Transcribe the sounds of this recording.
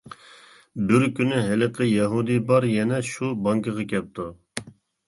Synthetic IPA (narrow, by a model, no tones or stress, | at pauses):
bɪɾkʲynyɦɪlɨqʰəjɛɦud̪ɨbɑɾjɛnɛʃubɑŋkʰəʁɑkʲʰɛp̚t̪ʰu